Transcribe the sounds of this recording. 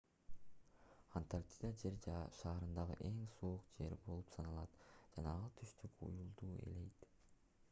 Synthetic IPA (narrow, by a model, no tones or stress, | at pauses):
ant̪art̪ʲid̪ad͡ʒe̞ɾd͡ʒɑʃɑːɾɯnd̪ɑʁɯ̰ʔe̞ŋsuuqd͡ʒe̞ɾbo̞lˠupsɑnɑlˠɑt̪d͡ʒɑnɑɑlˠt̪ʰyʃt̪ykṵjulˠd̪uːe̞̰le̞jt̪